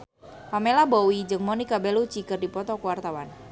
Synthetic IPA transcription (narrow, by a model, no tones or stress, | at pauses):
pamelabowid͡ʒɨŋmonikabɛlut͡ʃikɨrdipɔt̪ɔkuwart̪awan